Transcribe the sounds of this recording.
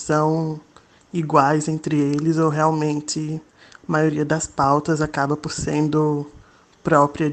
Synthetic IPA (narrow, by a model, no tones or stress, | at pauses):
sɐ̃w̃ | iɡwajzẽnt̪ɾɪelɪzoɦeawmẽnt͡ʃ̪ɪ | ɐmajoɾiɐd̪ɐspawt̪ɐzakabɐpoɾsẽnd̪ʊ | pɾɔpɾiɐ